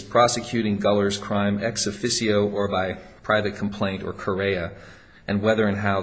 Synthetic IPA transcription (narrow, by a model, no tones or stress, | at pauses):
pʰɹ̥ɑsɨkʰj̥ʉɾɪ̃ŋɡʌlˠə˞z̥kʰɹ̥ãɪ̃mɛksɨfɪsioʊʔə˞baɪpʰɹ̥aɪvɨt̚kʰm̩pʰl̥ẽɪ̃ntə̰˞kʰə˞eɪɨ | ʔɨ̃nwɛðə˞ɨ̃nɦaʊ